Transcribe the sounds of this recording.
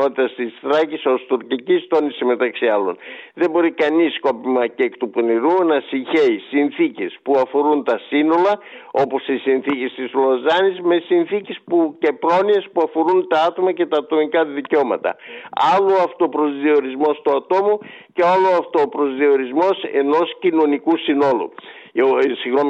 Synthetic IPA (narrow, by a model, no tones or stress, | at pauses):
ot̪it̪ɐst̪isθɾɐciso̞st̪uɾcicist̪o̞nisime̞t̪ɐksiɐlo̞̰nðe̞bo̞ɾikɐnisko̞pimɐceːkt̪uponiɾunɐsiɲçe̞isinθice̞spuɐfo̞ɾunt̪ɐsino̞lɐo̞po̞sisinθice̞st̪izlozɐnizme̞sinθice̞spuce̞pɾo̞nie̞spuɐfo̞ɾunt̪ɐɐt̪o̞mɐce̞t̪ɐːt̪o̞mikɐðiceo̞mɐt̪ɐ̰ɐloɐft̪opɾo̞zðio̞ɾizmo̞st̪uɐt̪o̞muce̞aloɐft̪opɾo̞zðio̞ɾizmo̞se̞̰no̞scino̞nikusino̞lṵ | siɣnom